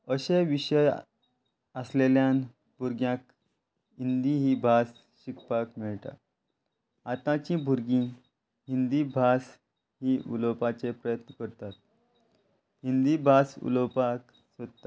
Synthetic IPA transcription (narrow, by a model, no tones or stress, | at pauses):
əɕeʋiɕəj | əsleljan | bʱuɾɡjãk | ind̪iɦibʱas | ɕikpakmiɭʈ̪a̰ | at̪ãt͡ɕĩbʱuɾɡĩ | ɦind̪ibʱas | ɦiʔṵləpat͡sepɾəjət̪nəkəɾt̪at̪̚ | ɦind̪ibʱasṵləwpak | səd̪t̪a